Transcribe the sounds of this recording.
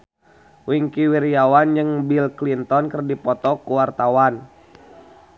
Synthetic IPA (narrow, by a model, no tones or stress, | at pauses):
wiŋkiwiɾiawand͡ʒəŋbilklint̪ɔnkərdipɔt̪ɔkuwart̪awan